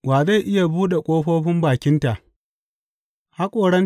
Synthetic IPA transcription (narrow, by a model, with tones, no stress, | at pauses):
waː˨za˦˨jʔɪ˦ja˨buː˦ɗe˨kʷʼoː˦ɸoː˦ɸɪ˦mbaː˨kʲɪ˦nta˨ʔ | ha˦kʷʼoː˨ɽɐ˦n